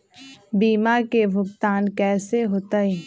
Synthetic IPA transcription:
biːmakeʋʊkt̪aːnkɛːseɦoːt̪ai

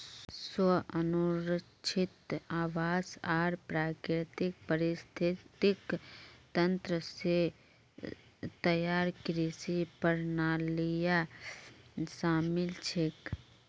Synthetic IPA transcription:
swəɐnʊɾə | t͡ʃʰɪt̪aːʋaːzaːɾpɾaːkɾɪt̪ɪk̚pəɾɪst̪ʰɪt̪ɪkt̪ɐ̃nt̪ɾəse | t̪ɐjaːɾkɾɪsipəɾnaːlija | ʃaːmɪlt͡ʃʰek

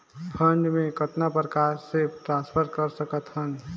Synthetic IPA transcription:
pʰəɳɖmekət̪napɾəkaɾseʈɾãnspʰəɾkəɾsəkət̪ɦən

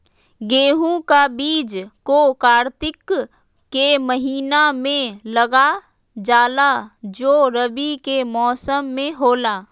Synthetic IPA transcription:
ɡeːɦũkabiːd͡ʒkokaːɾt̪ɪkː | eməɦiːnamẽləɡa | d͡ʒaːlad͡ʒoːɾəbikemɔːsəmːẽɦoːlaː

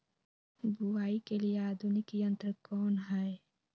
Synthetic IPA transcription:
buaːikelieaːd̪ʱunikiɐ̃nt̪əɾkɔːnɦɛe

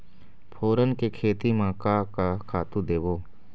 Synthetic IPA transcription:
pʰoːɾənkekʰeːt̪imãːkakakʰaːt̪ũd̪eːboː

